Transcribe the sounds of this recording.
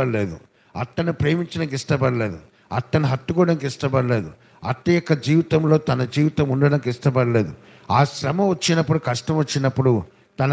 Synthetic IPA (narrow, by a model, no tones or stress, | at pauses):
ɐɾleːd̪u | ɐt̪ːɐnupɾe̞ːmiɲt͡ʃɐnɐŋkiʂʈɐbɐɽɐle̞ːd̪u | ɐt̪ːɐniɦɐt̪ːukɔːɐɽɐnikiʂʈɐbɐɽle̞ːd̪u | ɐ̰t̪ːijɔkːɐd͡ʒiːʋit̪ɐmlo̞ːt̪ɐnɐd͡ʒiːʋit̪ɐmuɳɖɐɽɐnikiʂʈɐbɐɾɐle̞ːd̪u | aːʃɾɐmɐʋɐt͡ʃːinɐpːuɽukɐʂʈɐmʋɐt͡ʃːinɐpːuɽu | t̪ɐnɐ